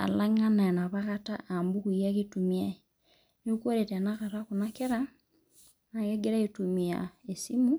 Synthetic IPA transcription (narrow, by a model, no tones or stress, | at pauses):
a̰laŋananaβaɣataʔambukuiaɣitumia | niukwoɾetanakaɾakunakeɾa | najeɡeɾaitumia̰esimu